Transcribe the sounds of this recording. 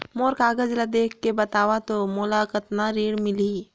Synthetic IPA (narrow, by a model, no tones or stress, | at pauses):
moːɾkaːɡəd͡ʒlad̪eːkʰːebət̪aːwat̪omolakət̪naɾiːɽmɪli